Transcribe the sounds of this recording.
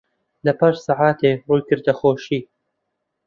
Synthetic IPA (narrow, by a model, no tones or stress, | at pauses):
lɐpaʃsaʕaːt̪ʰeːruːjkɨɾd̪ɐxoːʃiː